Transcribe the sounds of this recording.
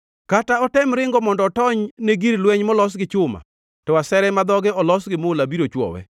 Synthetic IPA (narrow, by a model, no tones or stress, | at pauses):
kataɔtɛmɾɪŋɡɔmɔndɔtɔɲneɡiɾlwɛɲmɔlɔs̬ɡɪt͡ʃʊma̰ | tɔasɛɾɛmad̪ɔɡɛɔlɔsɡɪmʊlabiɾot͡ʃwɔ̰wɛ̰